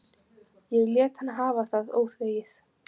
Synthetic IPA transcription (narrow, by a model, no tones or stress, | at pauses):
jɛɣljɛːt̪hanːaɦaːvaθaðo̰ːwθveːjɪθ